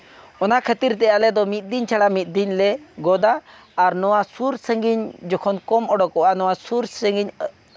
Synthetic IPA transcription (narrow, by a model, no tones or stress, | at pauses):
ɔnakʰət̪iɾt̪ɛjalɛd̪ɔmit̪̚d̪iɲt͡ʃʰaɽamit̪̚d̪iɲlɛɡɔd̪aː | ɾnɔwasuɾsəŋɡiɲd͡ʒɔkʰɔnkɔmɔɖɔkɔʔanɔwasuɾsəŋɡiɲ